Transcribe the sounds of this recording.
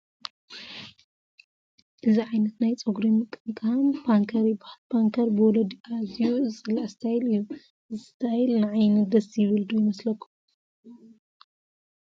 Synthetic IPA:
ʔɨziʕajnɐt̪najt͡sʼoɡɾimɨkʼɨnkʰampʰaŋkʰɐɾibaħlbʰaŋkʰɐɾbɨwɔlɐd̪iazijuzʼɨlaʕst̪ʰajilɨjːu | ɨzɨst̪ʰajlnɨʕajnɐd̪ɐsjɪβɨld̪ujɪmɐslɐkʰːum

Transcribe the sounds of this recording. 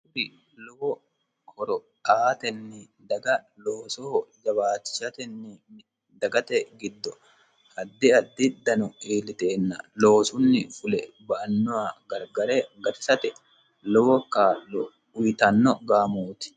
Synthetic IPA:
ʊɾɪ | lɔwɔ | kʰɔɾɔ | t̪aːt̪ɛnːɪ | d̪ɐɡɐloːsɔhɔd͡ʒɐbaːt͡ʃːɪ̥ʃɐt̪ɛnːɪ | d̪ɐɡɐt̪ɛɡɪd̪ːɔ | hɐd̪ːɪɐd̪ːɪd̪ɐnɔiːlɪt̪e̞ːnːɐ̰lo̞ːsʊnːɪfʊlɛ | bɐʔɐnːɔwaɡɐɾɡɐɾeɡɐt̪ɪ̥sɐt̪ɛ | lɔwɔkaːlːɔ | ʊjt̪ɐnːɔɡaːmoːt̪ɪ̥

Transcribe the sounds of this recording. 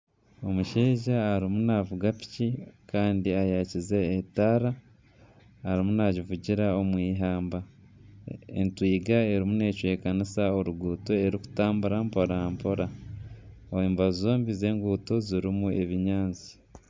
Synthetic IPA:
o̞muʃeːʒaaɾimunavuɡapi̥cikaːndiajacize̞ːtaːɾa | ɾimunaɟivuɟiɾao̞mwiːɦaːmba | ḛntwiːɡae̞ɾimune̞ːcwe̞ːkanisao̞ɾuɡuːto̞e̞ɾiku̥taːmbuɾampoɾampo̞ɾa | oeːmbazzo̞ːmbize̞ːŋɡuːto̞ziɾimue̞βiɲaːnzi̥

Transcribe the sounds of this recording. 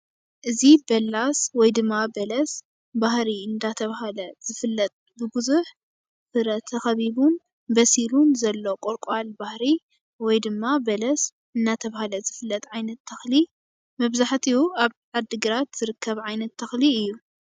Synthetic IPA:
ʔɨzibɐlːaswɔjd̪ɨmːabɐlɐs | bahɾiɨnd̪at̪ʰɐβahalɐz̥ɨfɨlːɐt̪ʼ | bɨbɨzuħ | fɨɾɐt̪ʰːɐxɐβiβun | bɐsilunzɐlːo̞kʼoɾkʼalbahɾi | wɔjd̪ɨmːabɐlɐs | ɨnːat̪ʰɐβahalɐzɨfɨlːɐt̪ʼʕajnɐt̪ʰːɐxli | mɐβzaħt̪ʰiuaβʕad̪ɨɡɨɾat̪z̥ɨɾɨkʰːɐβʕajnɐt̪ʰːɐxliɨjːu

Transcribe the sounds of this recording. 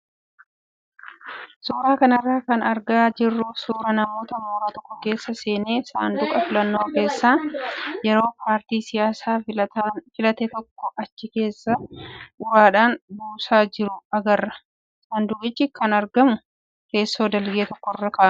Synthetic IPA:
suːɾaːkɐnɐrːaːkɐnɐɾɡaːd͡ʒɪrːʊsuːɾɐnɐmo̞ːt̪ɐmoːɾaːt̪ɔ̥kːɔke̞ːsːɐse̞ːne̞ːsa̰ːnd̪ʊkʼɐfɪlɐnːo̞ːke̞ːsːaːjɛɾo̞ːpʰaːɾt̪iːsɪjaːsaː | fɪlɐt̪ɛt̪ɔkːɔʔɐt͡ʃːɪke̞ːsːɐʊɾaːᶑaːnbuːsaːd͡ʒɪɾʊɐɡɐrːɐ̥ | saːnd̪ʊkɪt͡ʃːɪkɐnɐɾɡɐmʊ | ke̞ːsːo̞ːd̪ɐlɡeːt̪ɔkːɔrːɐkaːn

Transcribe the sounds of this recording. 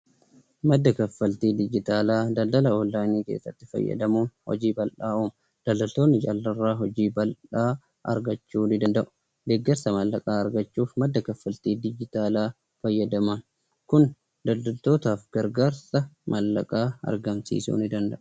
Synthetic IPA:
mɐd̪ːɐkɐfːɐlt̪iːd̪ɪd͡ʒɪt̪aːlaːd̪ɐld̪ɐlɐoːlːaːniːkḛːsːɐt̪ːɪfɐ̰jːɐ̰d̪ɐmuːnhɔ̰d͡ʒiːbɐlʔaːuːm | d̪̥ɐld̪ɐlt̪o̞ːnːɪt͡ʃʼɐlːɐrːaːɦɔd͡ʒiːbɐlᶑaː | ʔɐ̰ɾɡɐt͡ʃːuːnɪd̪ɐnd̪ɐʔʊ̥ | d̪eɡːɐɾsɐmɐlːɐkʼaːɐɾɡɐt͡ʃːuːfmɐd̪ːɐkɐfːɐlt̪iːd̪ɪd͡ʒɪt̪aːlaː | fɐjːɐd̪ɐmɐn | kʊn | d̪ɐld̪ɐlt̪o̞ːt̪aːfɡ̥ɐɾɡaːɾsɐmʔɐlːɐ̰kʼaːɐ̰ɾɡɐmsḭːsṵːnɪd̪ɐnd̪ɐʔʊ̥

